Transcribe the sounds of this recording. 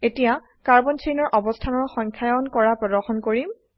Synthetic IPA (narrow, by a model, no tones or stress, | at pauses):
etija | kaɹbɔnt͡ʃʰejnɔɹʔɔbɔstʰanɔɹxɔŋkʰajɔnkɔɹapɹɔdɔɹxɔnkoɹim